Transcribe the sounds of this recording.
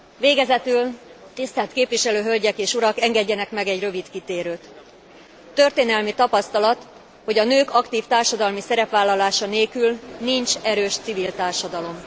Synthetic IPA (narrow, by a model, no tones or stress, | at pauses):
veːɡɛzɛt̪ylt̪ist̪aːt̪keːpʋiʃɛløːɦø̞lɟɛkeːʃuɾɒkɛŋɡɛɟːɛnɛkmɛɡɛɟrø̞vit̪kit̪eːɾøːt̪ː | ø̞rt̪eːnɛlmit̪ɒpɒst̪ɒlɒt̪ | ho̞ɟɒnøːkɒkt̪iːft̪aːrʃɒd̪ɒlmisɛɾɛpʋaːlːɒlaːʃɒneːlkylnint͡ʃɛɾøːʃt̪sivilt̪aːrʃɒd̪ɒlo̞m